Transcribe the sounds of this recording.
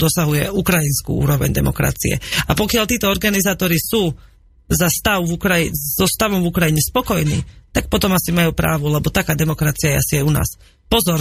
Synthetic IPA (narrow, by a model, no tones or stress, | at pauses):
d̪ɔsaɦujɛukɾajinskṵːṵːɾɔʋɛ̰ɲd̪ɛ̰mɔ̰kɾa̰t͡sḭɛ̰apɔkɪaʎt̪iːt̪ɔɔɾɡanizaːt̪ɔɾisuː | zast̪aʊvukɾaizɔst̪aʋɔmvukɾajiɲɛspɔkɔjnḭːt̪ak̚pɔt̪ɔmasimajuːpɾa̰ːʋulɛbɔt̪akaːd̪ɛmɔkɾat͡siajɛasiauna̰ːs | pɔzɔɾ